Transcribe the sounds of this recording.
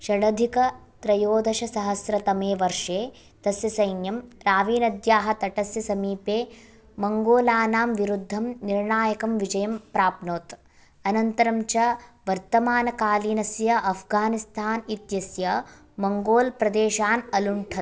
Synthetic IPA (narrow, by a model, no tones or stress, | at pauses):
ʃɐɽɐd̪ʱikɐ | t̪ɾɐjoːd̪ʱɐʃɐsɐɦɐsɾɐt̪ɐmeːʋɐɾʂeː | t̪ɐsjɐsɐjnjɐmɾaːʋiːnɐd̪jaːɦɐt̪ɐʈɐsjɐsɐmiːpeː | mɐŋɡoːlaːnaːmʋiɾud̪ʱːɐmniɾɳaːjɐkɐmʋid͡ʒɐjɐmpɾaːpnoːt̪ | ɐnɐnt̪ɐɾɐmt͡ʃɐʋɐɾt̪ɐmaːnɐkaːliːnɐsjɐʔɐpʰɡaːnist̪ʰaːnit̪jɐsjɐ | mɐŋɡoːlpɾɐd̪eːʃaːnɐluɳʈʰɐ